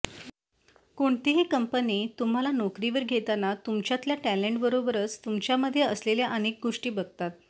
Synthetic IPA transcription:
koɳt̪iɦikəmpəniːt̪um̤alanokɾiʋəɾɡʱet̪anat̪umt͡ɕjat̪ljaʈæleɳʈbəɾobəɾət͡st̪umt͡ɕjaməd̪ʱːjeəsleljaʔənek̚ɡoʂʈiːbəɡ̚t̪at̪̚

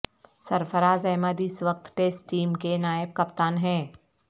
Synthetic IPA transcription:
sɐɾfəɾaːzɛːməd̪ɪsʋək̚t̪ʈeːsʈːiːmkenaːɪb̚kɐpt̪aːnɦɛ̃ː

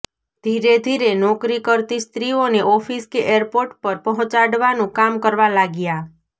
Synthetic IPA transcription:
d̪ʱiɾed̪ʱiɾenɔkɾikəɾt̪ist̪ɾioneʔɔfʰiskeʔeɾpoɾʈpəɾpəɦɔ̃t͡ʃaɽʋanũkamkəɾʋalaɡja

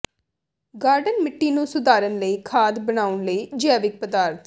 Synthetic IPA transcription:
ɡaːɾɖənmɪʈːiːnũːsʊd̪aːɾənləiːkʰaːd̪bənaːʊnləiːd͡ʒɛːʋɪk̚pəd̪aːɾt̪

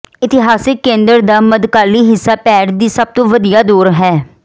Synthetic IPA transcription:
ɪt̪ɪɦaːsɪkːẽːnd̪əɾd̪aːməd̪kaːliːɦɪsːaːpɛːʈd̪iːsəb̚t̪õːʋəd̪ijaːd̪uːɾɦɛː

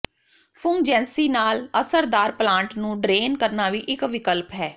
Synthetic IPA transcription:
fʰʊŋɡd͡ʒɛ̃ːnsiːnaːləsəɾd̪aːɾplãːɳʈnũːɖɾeːnkəɾnaːʋiːʔɪkʋɪkəlpɦɛː

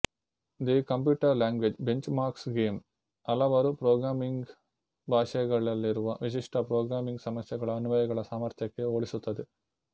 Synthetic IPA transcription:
d̪ikɐmp̬juːʈɐɾlaːŋɡʋed͡ʒbeɲt͡ʃmaːɾksɡeːm | ɐlɐʋɐɾupɾoːɡɾaːmiŋɡ | bʱaːʂɐjɐɡɐɭɐlːiɾuʋɐʋiʃ̬iʂʈʰɐpɾoːɡɾaːmiŋɡsɐmɐsjɐɡɐɭɐɐnuʋɐjɐɡɐɭɐsaːmɐɾt̪jɐkːe̞oːɭisut̪ːɐd̪e

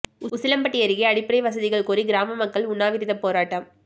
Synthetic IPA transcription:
ʊʊsɪlɐmpɐʈːɪjɐɾɪɣɐɐɽɪpːɪɾɐɪʋɐs̬ɐðɪɣɐɭkuːɾiɡɪɾaːmɐmɐkːɐɭʊnːaːʋɪɾɪðɐpːoːɾaːʈːɐm

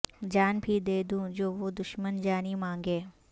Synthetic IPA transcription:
d͡ʑaːnbʱid̪eːd̪ũːd͡ʑoːʋod̪ʊʃmənd͡ʒaːnimãːŋɡeː

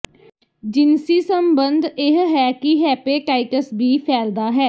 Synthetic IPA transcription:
d͡ʒɪnsiːsəmbənd̪ɪɦɦɛːkɪɦɛːpeːʈaːɪkəsbʱiːpʰɛːld̪aːɦɛː

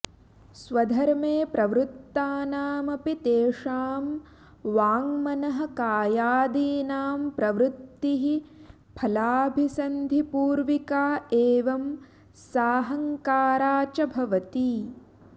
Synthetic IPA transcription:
sʋɐd̪ʱɐɾmeːpɾɐʋɾut̪ːaːnaːmɐpit̪eːʂaːm | ʋaːŋmɐnɐɦɐ̆kaːjaːd̪iːnaːmpɾɐʋɾut̪ːiɦi | pʰɐlaːbʱisɐnd̪ʱipuːɾʋikaːeːʋɐm | saːɦɐŋkaːɾaːt͡ʃɐbʱɐʋɐt̪i

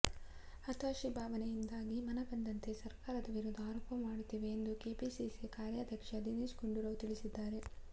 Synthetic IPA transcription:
ɐt̪aːʃibʱaːʋɐnejind̪aːɡimɐnɐbɐnd̪ɐnt̪e̞sɐɾkaːɾɐd̪ɐʋiɾud̪aːɾɐpɐmmːaːɽut̪ːiːʋe̞ːnd̪ukeːpisisikaːɾjad̪ʱjɐkʂɐd̪iniːsɡuɳɖuɾɐʋut̪iɭisid̪ːaːɾe̞

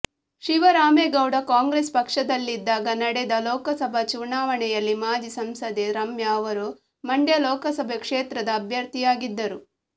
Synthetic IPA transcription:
ʃiʋɐɾaːmeːɡɐwɽɐkaːŋɡɾespɐkʂɐd̪ɐlːid̪ːaːɡɐnɐɽɛd̪ɐlɔːkɐsɐbʱɐt͡ʃunaːʋɐɳɛjɐlːimaːd͡ʒisɐmsɐd̪eɾɐmjɐːʋɐɾu | mɐɳɖjɐlɔːkɐsɐbʱekʂeːt̪ɾɐd̪ɐːbʱjɐɾt̪ijaːɡid̪ːɐɾu

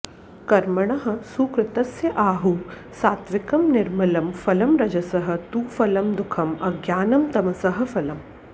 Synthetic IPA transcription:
kɐɾmɐɳ̃ɐɦɐ̆suːkɾɪt̪ɐsjɐʔaːɦu | saːt̪ʋɪkɐmnɪɾmɐlɐmfɐlɐmɾɐd͡ʒɐsɐɦɐ̆t̪uːfɐlɐmd̪ukʰɐmɐɡjaːnɐmt̪ɐmɐsɐɦɐ̆fɐlɐm

